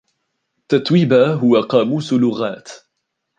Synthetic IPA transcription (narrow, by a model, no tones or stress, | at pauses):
t̪ːat̪wiːbaɦʊwaqɑːmuːsʊlːʊɣaːt̪